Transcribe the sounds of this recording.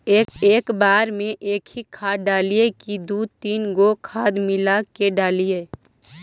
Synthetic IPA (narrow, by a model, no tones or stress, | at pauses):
eːkeːkbaːɾmẽʔeːkʰikʰaːɖaːlijekid̪uːt̪iːnɡokʰaːd̪mɪlakeɖaːlie